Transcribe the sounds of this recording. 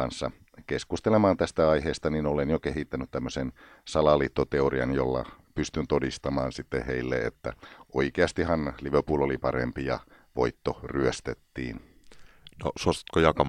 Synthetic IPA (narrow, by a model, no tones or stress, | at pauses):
ɑnsːɑ̰ | keskust̪elemɑːnt̪æst̪æɑiɦeːst̪ɑninolenjokeɦit̪ːænyt̪t̪æmːøsen | sɑlɑliːt̪ːot̪eoriɑ̰njolːɑ̰pyst̪ynt̪odist̪ɑmɑːnsit̪ːeheilːḛḛt̪ːæ̰ʔoikeɑst̪ihɑnliʋøpuːlolipɑɾḛmpijɑ̰ | ʋo̰it̪ːoryøst̪et̪ːḭːn | nosuost̪ɑ̥t̪kojɑkɑ